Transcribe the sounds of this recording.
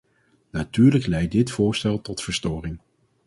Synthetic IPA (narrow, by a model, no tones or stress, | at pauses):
natyːɹləklɛjt̚dɪtfʊːɹstɛlˠtɔtfəɹstɔːrɪŋ